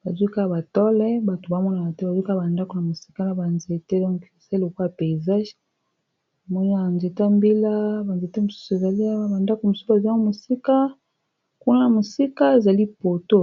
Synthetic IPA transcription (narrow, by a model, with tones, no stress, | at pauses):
ba˨zwi˦ka˦˨ba˨tɔ˦lɛ˦ba˨to˨ba˦mɔ˦na˨a˨tɛ˦ba˨zi˦ka˦˨ba˨nda˦ko˨na˨mo˨si̥˦ka˦na˨ba˨nze˨te˦dɔ̃˦ŋke˨sa˦i˦lo˨ka˦a˨pe˨za˦ʒ | a˨mɔ˦ni˦a˨nze˨ta˦mbi˦la˦ba˨nze˨te˦mo˨su̥˦so˨e˨za˨li˦ba˨nda˦ko˨mo˨su˦sa˨zo˦mo˨si˦ka˦ | ku˦na˦na˨mo˨si˦ka˦e˨za˨li˦po˨to˦